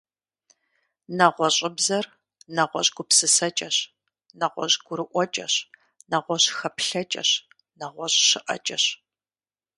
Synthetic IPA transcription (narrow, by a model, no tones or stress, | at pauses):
nɐʁʷɔɕʼɪbzɐr | nɐʁʷɔɕʼɡʷʊpsɨsɐt͡ʃʼɐɕ | nɐʁʷɔ̰ɕɡʷʊɾɨʔʷɔt͡ʃʼɐ̰ɕ | nɐʁʷɔɕxɐpɬɐt͡ʃʼɐ̰ɕ | nɐʁʷɔɕɕɪʔɐ̰t͡ʃʼɐɕ